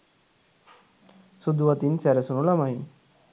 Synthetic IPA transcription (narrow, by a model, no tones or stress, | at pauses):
sud̪uʋat̪insɛɾɛsunulamaɦi